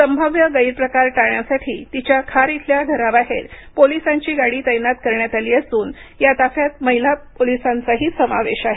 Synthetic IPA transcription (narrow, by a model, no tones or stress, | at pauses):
səmbʱəʋjəɡəiɾpɾəkaɾʈaɳjasaʈʰiːt̪it͡ɕjakʰaɾit̪ʰljaɡ̪ʱəɾaʋaɦḛɾ | polisãɲt͡ɕiːɡaɽiːt̪əjnat̪kəɾɳjat̪aliːəsuːnjat̪afjat̪̚məɦilapolisant͡saɦiːsəmaʋeɕaɦe